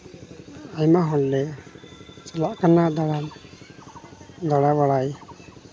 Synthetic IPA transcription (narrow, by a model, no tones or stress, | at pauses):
ajmaɦɔllɛ | t͡ʃɔlaʔkanad̪aɽa | d̪ɔɽaβaɽaj